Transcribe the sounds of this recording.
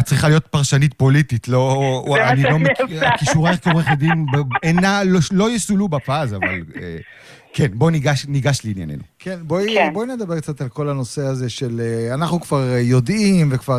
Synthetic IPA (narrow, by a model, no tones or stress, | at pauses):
at͡sʁiχalijo̞t̪paʁʃanit̚po̞lititlo̞anilo̞mekakiʃʃuʁeekeeχodimbeenaloʃlo̞jesulubapazavalḛ | kʰenbo̞niɡaʃniɡaʃleinja̰ne̞̰nṵkʰenbojboined̪abe̞k̚t͡sat̪alko̞lano̞se̞aze̞ʃe̞leanaχnukv̥aʁjo̞dimvekva